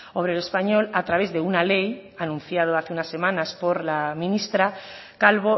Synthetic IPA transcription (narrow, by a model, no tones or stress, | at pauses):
oβɾelespaɲo̞lat̪ɾaβ̞e̞zðe̞unale̞janũn̟θjað̞oaθeunasːe̞mãnaspo̞ɾlamĩnist̪ɾa | kalβo